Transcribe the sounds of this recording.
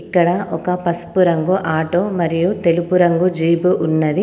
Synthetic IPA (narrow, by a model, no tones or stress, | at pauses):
ikːɐɽɐʔɔkɐpɐspuɾɐŋɡuʔaːʈoːmɐɾijut̪e̞lupuɾɐŋɡud͡ʒiːbuʔunːɐd̪i